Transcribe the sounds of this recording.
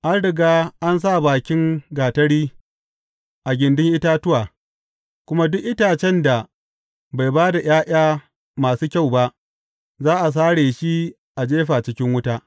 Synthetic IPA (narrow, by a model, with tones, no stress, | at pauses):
ʔa˦nɽɪ˨ɡaː˦ʔa˦ns̬a˦˨baː˨kʲɪ˦ŋɡaː˨tɐ˦ɽiː˦ | ʔa˨ɡʲɪ˨ndɪ˦ŋʔɪ˦taː˦tʊ˦waː˨ | kʷʊ˦ma˦dʊ˦ʔʔɪ˦taː˨t͡ʃɛ˦nda˨ | ba˨jbaː˦da˨j̰ʔaː˦ʔʲaː˦ | maː˨suː˦kʲa˦˨wba˦ʔ | zaː˦ʔa˨s̬aː˦ɽeː˨ʃi˦ | ʔa˨d͡ʒeː˦ɸaː˨t͡ʃɪ˦kʲɪ˦ŋwʊ˦taː˦